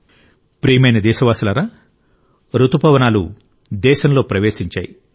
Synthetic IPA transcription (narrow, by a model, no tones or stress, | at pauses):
pɾiːmɐjnɐd̪ɛːʃɐʋaːsɐlɐɾaː | ɾut̪upɐʋɐnaːlṵ | d̪ɛːʃɐnlo̞ːpɾɐʋeːʃiɲt͡ʃa̰ːji